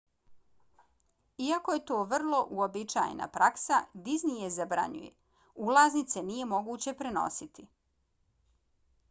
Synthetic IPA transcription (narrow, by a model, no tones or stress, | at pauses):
iakoje̞t̪oːʋr̩lˠo̞ʔuobit͡ʃa̰jḛna̰pɾaksad̪iznijezabɾa̰ɲṵjḛ | ulˠaznit̪se̞nije̞mo̞ɡuːt͡ɕe̞pɾe̞no̞̰sit̪i